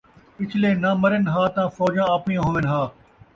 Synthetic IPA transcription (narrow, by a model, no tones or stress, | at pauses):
ɪt͡ʃʰleːnaːməɾɪnɦaːt̪ãːfɔːd͡ʒãːaːpijãːɦõːʋɪnɦaː